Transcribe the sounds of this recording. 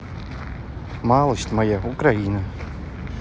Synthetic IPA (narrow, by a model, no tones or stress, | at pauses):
malˠəsʲtʲmɐjaʊkɾainə